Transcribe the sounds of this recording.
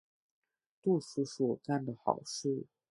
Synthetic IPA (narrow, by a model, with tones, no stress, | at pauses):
t̪u˥˩ʂu˧˥swɔ˨˩ka˥˩nd̪ə˩xɑ̰˨˩ʊʂ̩˥˩